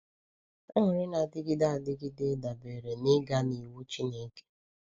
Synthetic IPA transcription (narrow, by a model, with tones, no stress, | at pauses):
ɔ˦ŋʊ˨ɾɪ˦na˨dɪ˦ɡɪ˦da˦a˨dɪ˦ɡi˦de˦da˨be˨ɾe˨nɪ˦ɡa˦ni˨wu˦t͡ʃi˦ne˦ke̥˦